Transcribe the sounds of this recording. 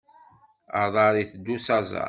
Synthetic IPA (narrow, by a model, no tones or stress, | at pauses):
ɑðˤɑɾˤiθd̪ːusɑzˤɑ̰